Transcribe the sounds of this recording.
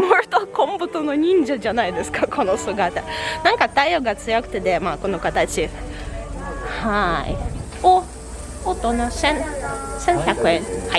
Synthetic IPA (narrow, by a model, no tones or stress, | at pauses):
moɾɯt̪okõmbɯ̟t̪ono̞ɲ̟ĩɲd͡ʑad͡ʑanaid̪e̞sɨ̥kakʰo̞no̞sɨɡat̪anãŋkat̪aioɡat͡sɨjokɯ̟t̪e̞d̪e̞maːko̞no̞kat̪at͡ɕi | haḭ | oː | t̪o̞nasẽŋsẽɰçakɯ̟ẽŋhai